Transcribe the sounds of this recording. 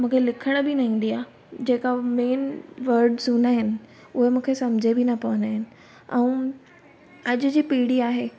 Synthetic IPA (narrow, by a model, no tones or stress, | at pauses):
mũːkʰelɪkʰəɽ̃bɪnɐɦĩːn̆d̪iaː | d͡ʑeːkameːnʋɐɾɖzũnaɦɪnɪ̆ | ʊɦemũːkʰesɐmd͡ʑʱebɪnɐpɐʋə̃naɦɪnɪ̆ | ɛ̃ː | ɐd͡ʑʊ̆d͡ʑiːpiːɽiaːɦeː